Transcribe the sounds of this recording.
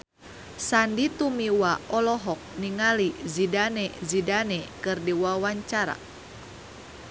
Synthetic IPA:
sandit̪umiwaɔlɔɦɔk̚niŋalizidanɛzidanɛkɨrdiwawaɲt͡ʃaɾa̰

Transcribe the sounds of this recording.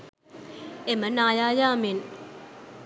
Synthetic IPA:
emənaːjaːjaːmɪn

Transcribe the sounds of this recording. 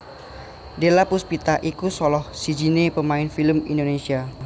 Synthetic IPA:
delapuspit̪aʔikusɔlɔhsid͡ʒinepəmaɪnfiləmindonesia

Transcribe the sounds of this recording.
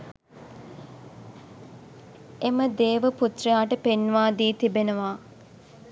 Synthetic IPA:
eməd̪eːʋəput̪rəjaːʈəpenʋaːd̪iːt̪ibenəʋaː

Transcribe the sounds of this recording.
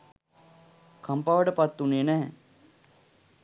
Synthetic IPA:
kʰampaʋəʈəpat̪ːuneːnæɦɛ

